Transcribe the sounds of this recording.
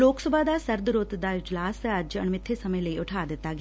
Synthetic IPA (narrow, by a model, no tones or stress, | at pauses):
loːksɐbʱaːd̪aːsɐɾd̪uɾoːt̪ɐd̪aːjud͡ʒlaːsɐad͡ʒɐɳmɪt̪ʰːeːsɐmɐjɐleuʈʰaːd̪ɐt̪ːaːɡ